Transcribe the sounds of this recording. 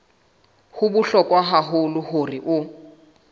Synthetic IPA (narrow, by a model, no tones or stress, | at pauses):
hʊbʊɬɔkʼwaɦaɦʊlʊhʊriʔʊ